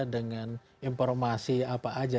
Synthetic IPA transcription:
dəŋan | imfɔrmasiapaad͡ʒa

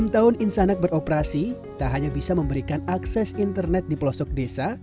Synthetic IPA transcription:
mt̪aʊninsanɛk̪̚bərɔpəɾasi | t̪aɦaɲabisaməmbəɾikanaksɛsint̪ərnɛt̪̚diplɔsɔk̚desa

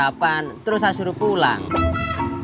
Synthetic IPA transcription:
apant̪əɾʊs̬asuɾupula̰ŋ

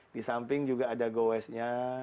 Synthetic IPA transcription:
disampɪŋd͡ʒuɡaːdaɡowɛsɲa

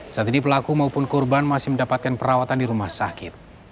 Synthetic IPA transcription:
saat̪inipəlakumaupʊnkɔrbanmasɪhməndapat̪̚kanpəɾawat̪andiɾumahsakɪt̪̚

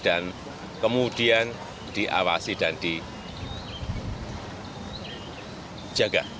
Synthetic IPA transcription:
d̥an | kəmud̥ian | d̪̥iʔa̰wasid̥and̪̥i | d͡ʒ̥aɡ̥a

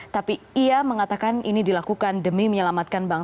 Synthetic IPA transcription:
t̪apiiaməŋat̪akaninidilakukandəmiməɲəlamat̪̚kanbaŋ

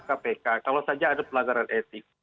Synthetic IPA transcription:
kapekakalosad͡ʒaːdapəlaɡaɾanʔɛt̪ɪk̚

